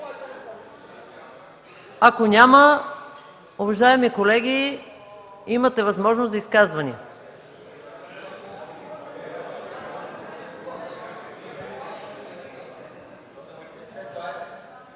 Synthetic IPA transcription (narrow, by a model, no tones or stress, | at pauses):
akonʲamə | ovɐʒaɛmikolɛɡ̟i | imət̪ɛvɐzmɔʒnozɐiskazvɐnḭ